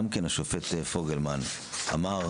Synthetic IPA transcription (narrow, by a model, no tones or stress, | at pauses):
amkenaʃofetefoɡelman | a̰ma